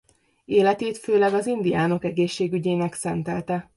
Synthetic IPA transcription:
eːlɛt̪eːt̪føːlɛɡɒzind̪ijaːno̞kɛɡeːʃːeːɡyɟeːnɛksɛnt̪ɛlt̪ɛ

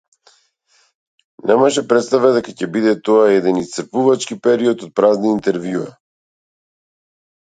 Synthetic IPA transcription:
nɛmaʃɛpɾɛt̪st̪avɛd̪ɛkacɛbid̪ɛt̪ɔaɛd̪ɛnist̪sɾpuvat͡ʃkipɛɾiɔt̪ɔt̪̚pɾazniːnt̪ɛɾvjua

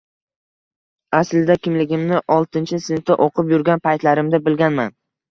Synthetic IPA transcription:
aslɪd̪akʲɪmlɪɡʲɪmnɪʔɒlˠt̪ʰɪnt͡ʃʰɪsɪnt̪ːɪʔoqʰɨpjʊɾɡʲanpʰajt̪laɾɪmd̪abɪlɡʲanma̰n

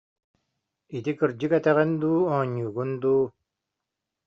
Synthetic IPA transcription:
it̪ikɯɾd͡ʑɯkɛt̪ɛʁɛnd̪uːɔːɲːuːɡund̪uː

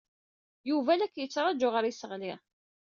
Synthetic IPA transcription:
juvælækːjət͡sːɾˤɑd͡ʒʊʁəɾisəʁli

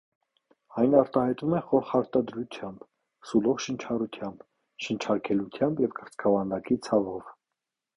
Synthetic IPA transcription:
ɑjnɑɾt̪ɑhɑjt̪umɛχɔɾχɑɾt̪ɑd̪ɾut̪ʰjɑmb | sulɔʁʃənt͡ʃʰɑɾut̪ʰjɑmb | ʃənt͡ʃʰɑɾkʰɛlut̪ʰjɑmbjɛvkəɾt͡skʰɑvɑnd̪ɑkit͡sʰɑvɔv

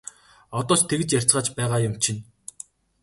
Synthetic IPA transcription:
ɔt̪ɔːt͡ɕt̪ʰeɣɘ̆t͡ɕjær̥ʲt͡sɢə̆ːt͡ɕpæːʁaːjʊmt͡ɕʰin

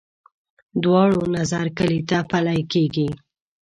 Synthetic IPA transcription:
d̪wɑɽonazaɾkəlit̪apalajkeɡi

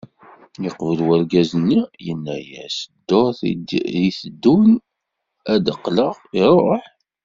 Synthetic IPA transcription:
jəqvəlwæɾɡæzənːijənːæjæ̰sd̪ːoɾθðiθəd̪ːun | æd̪əqːləʁiɾˤo̰ħ

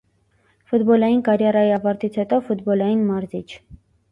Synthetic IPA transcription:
fut̪bɔlɑjinkɑɾjɑɾɑjiɑvɑɾt̪it͡sʰhɛt̪ɔfut̪bɔlɑjinmɑɾzit͡ʃʰ

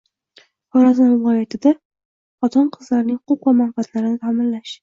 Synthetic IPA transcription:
χɒɾazanvɪlˠɒjat̪ʰɪd̪a | χɒt̪ʰɒnqʰɨzlaɾnɪŋqoqvamanfat̪ʰlaɾɪnɪt̪ʰamɪnlaʃ

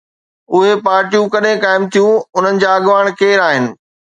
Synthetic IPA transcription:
ʊɦepaːɾʈijũkɐɗẽkaːɪmt̪ʰijũʊn̤ənɪ̆d͡ʑaːɐɠʋaːɽ̃keːɾaːɦɪnɪ̆

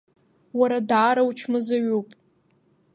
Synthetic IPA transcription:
waɾadaːɾawt͡ʃʰmɨzaɥupʼ

